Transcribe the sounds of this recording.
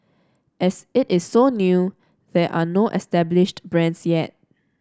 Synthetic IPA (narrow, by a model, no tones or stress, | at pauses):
ʔɛsɪtɪsːonju | ðɛʔa̰noʔɛ̰stɛblɪʃtbɹɛ̃nsjɛt̚